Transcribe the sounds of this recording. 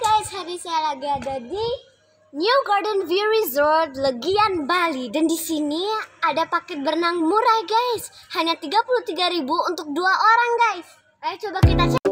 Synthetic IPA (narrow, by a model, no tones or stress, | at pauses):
ɡajshaɾisajalaɡadadi | njuɡɔrdənviuɾizɔrt̪̚ləɡianbalidandisiniadapakɛt̪̚bərnaŋmuɾajɡajshaɲat̪iɡapuluht̪iɡaɾibuunt̪ʊk̚duaʔoɾaŋɡajs | kajt͡ʃobakit̪at͡ʃ